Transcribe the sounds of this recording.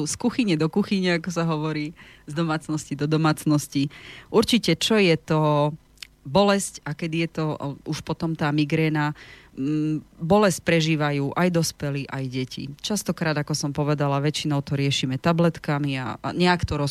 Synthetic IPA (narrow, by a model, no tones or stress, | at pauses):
skuxiɲɛd̪ɔkuxiɲɛakɔsaɦɔʋɔɾiːzd̪ɔmaːt͡snɔscid̪ɔd̪ɔmaːt͡snɔsciʔuɾt͡ʃicɛt͡ʃɔjɛt̪ɔ | bɔlɛscakɛd̪ijɛt̪ɔuʃpɔt̪ɔmt̪aːmiɡɾɛːna | bɔlɛsc̚pɾɛʒiːʋajuːʔajd̪ɔspɛliʔajɟɛcḭt͡ʃast̪ɔkɾaːd̪akɔsɔmpɔʋɛd̪alaʋɛt͡ʃinɔʊt̪ɔɾɪɛʃimɛt̪ablɛt̪kamia̰ɲɛakt̪ɔɾɔ